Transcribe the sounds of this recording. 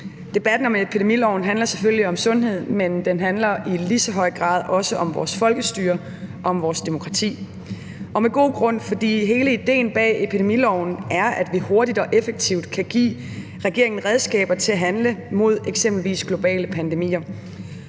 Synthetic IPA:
d̥e̝b̥æd̥n̩ɒ̽mepʰid̥e̝milɒʊ̰n̩ɦænlɐse̥følliɒ̽msɔ̽nɦe̝ð̰ˠmend̥enɦænlɐilisɒɦɒ̽ɪ̰ɡ̥ʁɑ̰̈ːð̞̰ˠʔɒ̽səʔɒ̽mʋɒ̰ːsfɒ̽lɡ̥əsd̥yːɐ | ʔɒ̽ɒmʋɒːsd̥e̝mo̝kʰʁɑ̈t͡sʰḭː | ʔɒ̽meɡ̥o̝̰ːɡ̥ʁɔ̽n̰fɒ̽d̥ḭːɦe̝ːləid̥e̝̰ːnb̥ɛ̰ːe̝pʰid̥e̝milɒʊ̰n̩æɐæd̥ʋiho̝ɐɾid̥ɒ̽ʔefeɡ̥̚t͡sʰiʊd̥̚kʰæɡ̥ḭː | ʁɛɡ̥e̝ɐeŋn̩ʁɛð̞ˠsɡ̥ɛ̰ːb̥ɐt͡sʰe̝æɦænləmo̝ð̞̰ˠeɡ̥semb̥l̩ʋḭːsɡ̥lo̝b̥ɛ̰ːləpʰænd̥e̝mḭːɐ

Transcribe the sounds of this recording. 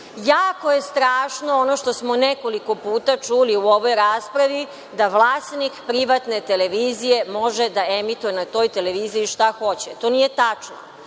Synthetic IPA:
jaːko̞je̞st̪ɾaːʃno̞onoʃt̪o̞smo̞neko̞liko̞puːt̪at͡ʂuliuo̞ʋo̞jɾaːspɾaʋi | d̪aʋlˠaːst̪nikpɾiʋat̪ne̞t̪eleʋiːzije̞mo̞ʒed̪aemit̪ujenat̪o̞jt̪ele̞ʋiːziːʃt̪axo̞t͡ɕet̪o̞ːnijet̪at͡ʂno̰

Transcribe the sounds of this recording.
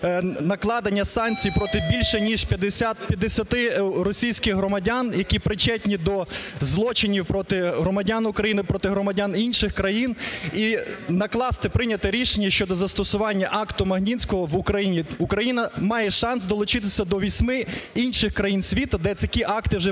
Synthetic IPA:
nɐklˠɑd̪ɐnʲːɐsɑnʲt͡sʲijpɾɔt̪ɪbʲilʲʃɛnʲiʒpʲɐd̪ɪat̪pʲjɐd̪esʲɐt̪ɪrɔsʲijsʲkɪɣɦɾɔmɐdʲanjɐkʲipɾɪt͡ʃɛtʲnʲid̪ɔzlˠɔt͡ʃɪnʲiwpɾɔt̪ɪɦɾɔmɐdʲanʊkɾɐjinɪpɾɔt̪ɪɦɾɔmɐdʲaninʃɪxkɾɐjininɐklˠɑst̪ɪpɾɪnʲɐt̪ɛɾʲiʃenʲːɐʃt͡ʃɔd̪ɔzɐst̪ɔsʊʋɑnʲːɐʔɑkt̪ʊmɐɦnʲinʲsʲkɔɦɔwʊkɾɐjinʲiukɾɐjinɐmɑjɛʃɑnsd̪ɔlˠʊt͡ʃɪt̪ɪsʲɐd̪ɔʋʲisʲmɪinʃɪxkɾɐjinsʲʋʲit̪ʊd̪ɛɐkʲiʔɑkt̪ɪwʒɛ

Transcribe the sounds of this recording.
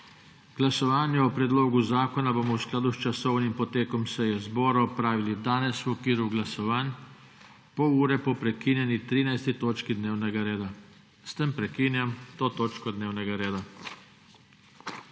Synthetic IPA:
ɡ̥lasɔʋaːnjɛɔpɾɛd̪loːɡuzaːkɔnaboːmɔwsklaːd̪ust͡ʃasɔwnimpɔt̪eːkɔmsɛjɛzbɔːɾaɔpɾaːʋilid̪aːnɛswɔkʋiːɾuɡlasɔʋaːn | pɔwuːɾɛpɔpɾɛkiːnjɛnit̪ɾiːnajst̪it̪oːt͡ʃkid̪neːwnɛɡaɾeːd̪a | st̪empɾɛkinjamt̪oːt̪oːt͡ʃkɔd̪neːwnɛɡaɾeːd̪a

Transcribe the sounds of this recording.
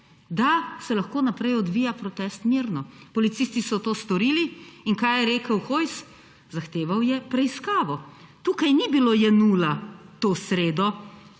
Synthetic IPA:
d̪asɛlɐxkoːnapɾɛjɔd̪ʋiːjapɾɔt̪ɛst̪miɾnɔpɔlit̪sist̪isɔt̪oːst̪ɔɾiːliiŋkajɛɾeːkəwxoːjs | zaxt̪eːʋawjɛpɾɛiskaːʋɔt̪uːkajnibiloːjɛnuːlat̪oːsɾeːd̪ɔ

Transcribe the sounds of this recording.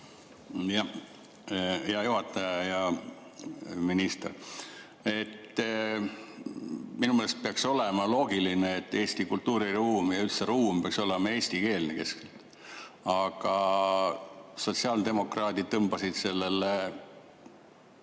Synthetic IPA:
jɑ | jɑjuɦɑt̪ːˑɑjɑjɑ | minist̪er | e̞t̪ː | minumeːlest̪̚peɑkso̞le̞mɑlo̞ːɡilineːt̪ːeːst̪ikult̪ːuːɾiruːmjɑylt̪seɾuːmpeɑkso̞le̞mɑe̞ːsʲt̪ike̞ːlneke̞skelt̪ | ɑɡ̥ɑ | so̞tsiɑːld̪e̞mo̞krɑːd̪id̪̚t̪ːɤmb̥ɑsid̪̥se̞lːe̞lːe

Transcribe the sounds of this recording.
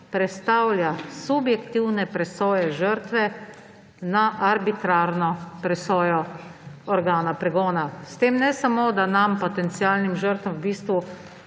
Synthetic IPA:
pɾɛt̪st̪awljasubjɛkt̪iwnɛpɾɛsoːjɛʒəɾt̪ʋɛ | naʔaɾbit̪ɾaːɾnɔpɾɛsɔːjɔɔɾɡaːnapɾɛɡɔːnast̪eːmnɛsamod̪anampɔt̪ɛnt̪sialnimʒəɾt̪ʋɐmwbiːst̪ʋu

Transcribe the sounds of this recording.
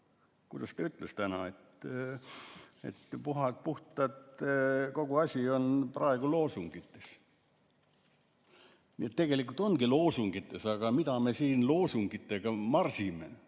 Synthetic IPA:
kud̪̥ɑst̪ɑyt̪ˑlest̪ænɑet̪ | ḛt̪puɦɑt̪̚puht̪ˑɑt̪ko̞ɡ̥uɑsʲio̞nprɑe̞ɡ̥ulo̞ːsuŋɡ̥it̪ːes | niet̪ːe̞ɡ̥e̞likːˑult̪ˑo̞nɡ̥ilo̞ːsuŋɡ̥it̪ːˑe̞sɑɡ̥ɑmit̪ɑme̞siːnlo̞ːsuŋɡ̥it̪ːˑe̞ɡ̥ɑmɑrsime̞̰

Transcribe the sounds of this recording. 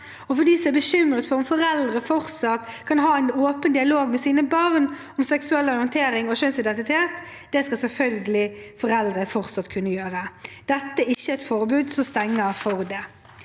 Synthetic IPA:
ɔfɔd̪iːsɔæbəɕʏmːɾət̪fɔʁʊmfɔɾɛld̪ʁəfɔɾt̪sɑt̪kʰɑnɦɑːæɪnoːpənd̪ɪɑloːɡmɛsiːnəbɑʁn | ɔmsɛksʉɛlːɔʁʏjənt̪ʰeːɾɪŋɔʃœnsɪd̪ɛnt̪ɪt̪ʰeːt̪d̪ɛskɑsɛlfœlɡəlɪfɔɾɛld̪ʁəfɔʁt̪sɑt̪kʰʉnːəjøːɾəd̪̥ɛt̪ːəæɪçːəɛt̪fɔʁbʉːd̪sɔst̪ɛŋːəfɔʁd̪ɛ

